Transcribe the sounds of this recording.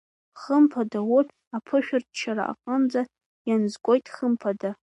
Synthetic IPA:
χəmpʰadawʊtʰʼ | apʰɨʃᶣʊrtʰt͡ʃʰaɾa̰ʔa̰qʼəmd͡za | janzkʷʼo̞jtʼχəmpʰada

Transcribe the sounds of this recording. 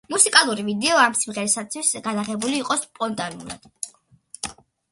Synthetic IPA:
musikʼalˠuɾivid̪ɛɔamsimʁɛɾɛsat̪sʰwisɡad̪aʁɛbuliːqʼɔspʼɔnt̪ʼanṵlˠa̰d̪̥

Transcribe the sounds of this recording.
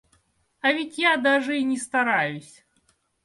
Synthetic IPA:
ɐvʲit͡sʲjad̪aʐəinʲɛst̪aɾajʊsʲ

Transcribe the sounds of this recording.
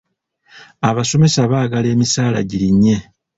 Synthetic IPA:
aβaso̞me̞saβaːɡale̞ːmisaːla̰ɟiɾiɲːe̞

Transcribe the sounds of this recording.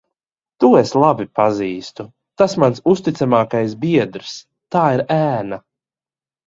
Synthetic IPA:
t̪ueslˠabipaziːst̪u | t̪asmansust̪it̪samaːkajsbiɛd̪ɾs | t̪aːiɾæːna

